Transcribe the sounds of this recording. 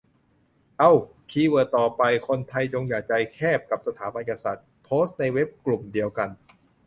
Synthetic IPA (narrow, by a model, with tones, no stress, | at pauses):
ʔa˧˩w | kʰiː˧wɤː˨˩t̪ɔː˨˩pa˧jkʰo˧nt̪ʰa˧jt͡ɕo˧ŋjaː˨˩k̚t͡ɕa˧jkʰɛː˥˩p̚ka˨˩p̚sa˧t̪ʰaː˩˦ba˧ne˨˩ka˧sa˨˩t̪̚pʰoː˦˥st̪̚na˧jwe˦˥p̚klu˨˩mdi˧əwka˧n